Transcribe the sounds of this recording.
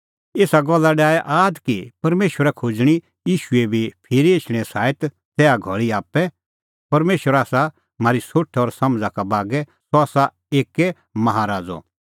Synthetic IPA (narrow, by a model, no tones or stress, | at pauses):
eːsaɡɔlːaɖaːɛʔaːd̪kipɐɾmeːʃwəɾakʰoːd͡ʒɽ̃i | jiːʃʊebʱipʰɪɾieːt͡ʃʰɽ̃ɛsaːet̪ | tɛːaɡʱɔɭiaːpːɛ | pɐɾmeːʃwəɾaːsa | maːɾisoʈʰɔːɾsɐ̃md͡zakabaːɡɛsoaːsa | eːkɛ | mɐɦaɾaːd͡zɔ̰